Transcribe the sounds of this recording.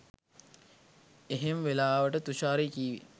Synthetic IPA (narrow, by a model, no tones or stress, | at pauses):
eɦemʋelaːʋəʈət̪uʃaːɾikiːʋḭ